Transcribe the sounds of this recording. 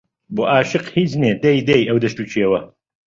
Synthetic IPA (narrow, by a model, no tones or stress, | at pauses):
boːʔaːʃɨqhiːt͡ʃneːd̪ɐjd̪ɐjʔɐwd̪ɐʃt̪uːt͡ʃʰeːwɐ